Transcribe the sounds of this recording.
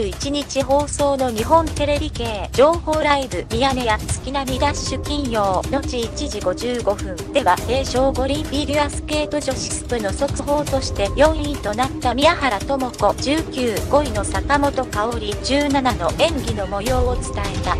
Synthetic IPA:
it͡ɕiɲ̟it͡ɕiɦo̞ːso̞ːno̞ɲ̟iɦõ̞nt̪e̞ɾe̞bʲike̞ːd͡ʑo̞ːho̞ːɾaibɯ̟mʲiane̞jasɨ̥kʲinamʲid̪aɕɨkʲĩɰ̃jo̞ːno̞t͡ɕiit͡ɕiʑiɡo̞ʑɨːɡo̞ɸɯ̟̃nd̪̥e̞βase̞ːɕo̞ːɡo̞ɾʲĩmbʲiɾʲiasɨ̥ke̞ːt̪o̞ʑo̞ɕi̥sɨ̥pɯ̟no̞so̞kɯɦo̞ːt̪o̞ɕi̥t̪e̞jõ̞ɰ̃ĩt̪o̞nat̪ːamʲijahaɾat̪o̞mo̞ko̞d͡ʑ̥ɨːkʲɨːɡ̥o̞ino̞sakamo̞t̪o̞kao̞ɾʲid͡ʑɨːnanano̞ʔẽ̞ŋɡʲinomo̞jo̞ːt͡sɨ̥t̪ae̞t̪a

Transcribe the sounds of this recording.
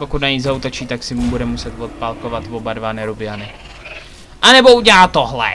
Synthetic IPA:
pokut̪naɲizaut̪ot͡ʃiːt̪aksɪmubudɛmusɛt̪vot̪̚palkovat̪vobadvanɛɾubɪanɪ | ʔanɛbo̞uɟɛlaːt̪oɦlɛ̰

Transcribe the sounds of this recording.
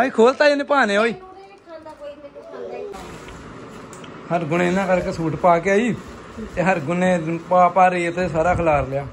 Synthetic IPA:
aːiːkʰoːlt̪aːineːpaːnẽːɦoːiː | həɾɡʊnẽːnãːkəɾkesuːʈpaːkeaːiː | t̪eːɦəɾɡʊnẽːpaːpaːɾiːət̪eːsaːɾaːkʰəlaːɾljaː

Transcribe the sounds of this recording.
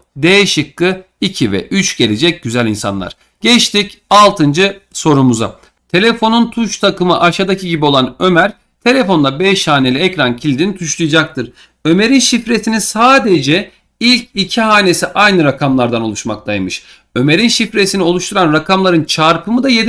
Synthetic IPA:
d̪ejɛʃɯkːɯ | icʰivɛ̰ʔyt͡ʃɟ̥e̞lʲe̞d͡ʒɛc̚ɟyzælʲinsa̰nlˠa̰ɾ̥ | ɟ̥ɛt͡ʃt̪ʰicalˠt̪ʰɯnd͡ʒɯso̞ɾumuza̰ | t̪ʰe̞lʲefo̞nunt̪ʰuʃt̪ʰakɯmɯʔaʃad̪acʰiɟibio̞lˠanø̞mæɾ̥ | t̪ʰe̞lʲefo̞nd̪abɛʃhaːne̞lʲiɛcɾancʰilʲd̪init̪ʰuʃlˠujad͡ʒak̚t̪ʰɯɾ | ø̞me̞ɾinʃifɾet̪ʰininsaːd̪e̞d͡ʒɛ | ilʲcicʰiɦaːne̞siʔajnɯɾakʰamlˠaɾd̪ano̞lˠuʃma̰kt̪ʰajmɯʃ | ø̞me̞ɾinʃifɾe̞sinio̞lˠuʃt̪ʰuɾanɾakʰamlˠaɾɯnt͡ʃʰaɾpʰɯmɯd̪aje̞d̪

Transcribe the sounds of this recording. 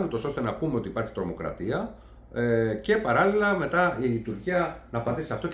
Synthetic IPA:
nut̪o̞so̞st̪e̞nɐpume̞o̞t̪iːpɐɾçi̥t̪ɾo̞mo̞kɾɐ̰t̪iɐ | ece̞pɐɾɐlilɐme̞t̪ɐit̪uɾciɐnɐːpɐnd̪isɐft̪o

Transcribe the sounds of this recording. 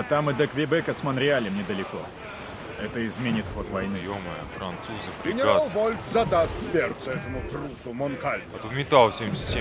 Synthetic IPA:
at̪amɨd̪əkvʲɪbɛkəsmənɾʲɪalʲəmnʲɪd̪əlʲɪko̞ | ɛt̪əɪzmʲenʲɪt̪xot̪vɐjnɨjoməjəfɾɐnt̪suzɨfɾʲɡʲɪnʲɪalˠvolʲtzɐd̪ast̪pʲert̪səɛt̪əmʊt̪ɾusʊmonkalʲt̪umʲɪt̪alˠfsʲemsʲɪsʲe

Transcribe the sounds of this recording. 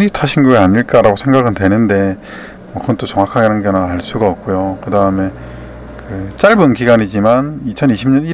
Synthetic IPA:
nitʰaɕʰinɡuɡeaɲiɭk͈aɾaɡosʰe̞ŋɡaɡɯntwe̞nɯnde̞ | mʌkɯʌnt͈ot͡ɕʌŋwakʰaɡeɾanɡenaɦaɭs͈uɡaʌp̚k͈ojokɯdaɯme̞ | kɯt͡ɕ͈aɭbunkiɡaɲid͡ʑimanit͡ɕʰʌniɕʰimɲʌni

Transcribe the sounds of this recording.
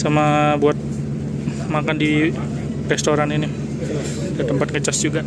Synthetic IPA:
samabuat̪̚ | makandi | rɛst̪oɾanini | dat̪əmpat̪̚ŋət͡ʃasd͡ʒuɡaʔ

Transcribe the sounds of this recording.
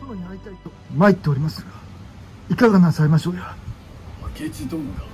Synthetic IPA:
onoɲ̟iait̪ait̪omait̪ːe̞oɾʲimasɨɡa | ikaɡanasaemaɕo̞ːja | kʰet͡ɕit̪omo

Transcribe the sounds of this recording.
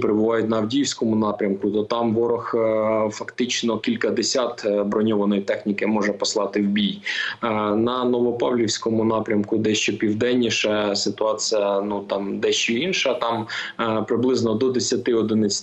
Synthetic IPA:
peɾɪbʊʋɑjʊtʲnɐwdʲijwsʲkɔmʊnɑpɾʲɐmkʊt̪ɔt̪ɑmʋɔɾɔxfɐkt̪ɪt͡ʃnɔkʲilʲkɐd̪esʲɑt̪bɾɔnʲɔʋɐnɔjit̪ɛxnʲikɪmɔʒɛpɔslˠɑt̪ɪwbʲij | nɐnɔʋɔpɑwlʲiwsʲkɔmʊnɑpɾʲɐmkʊd̪ɛʃt͡ʃɔpʲiwd̪ɛnʲːiʃɛsɪt̪ʊɑt͡sʲijɐnut̪ɑmd̪ɛʃt͡ʃɔinʃɐt̪ɑmpɾɪblˠɪznɔd̪ɔd̪esʲɐt̪ɪɔd̪ɪnɪt͡sʲ

